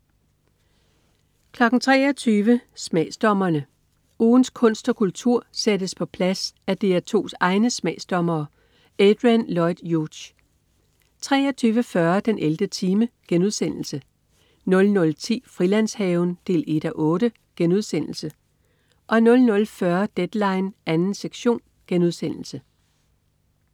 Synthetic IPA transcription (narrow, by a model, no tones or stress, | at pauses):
kʰlɒ̽ɡ̥n̩t͡sʰʁɛ̰ːɐt͡sʰyːʋəsmɛ̰ːsd̥ɒ̽mɐnə | uːn̩skʰɔ̽n̰sd̥ɒ̽kʰult͡sʰuɐ̰sedəspʰɒ̽pʰlæsæd̥e̝æt͡sʰo̝̰ːsɑ̈ɪnəsmɛ̰ːsd̥ɒ̽mɐː | ed̥ʁænlɒɪd̥jud̥ | t͡sʰʁɛ̰ːɒt͡sʰyːʋəfɶɐd̥enʔeld̥ət͡sʰiːməɡ̥enuð̞ˠsen̰l̩sə | nɔ̽lnɔ̽lt͡sʰḭːfʁilæn̰shɛʊnd̥e̝̰ːle̝d̥ɒʔɔ̽ːɾ̥ə | ɡ̥enuð̞ˠsen̰l̩sə | ʔɒ̽nɔ̽lnɔ̽lfɶɐd̥ed̥lɑ̈ɪnʔænn̩seɡ̥ɕo̝̰ːn | ɡ̥enuð̞ˠsen̰l̩sə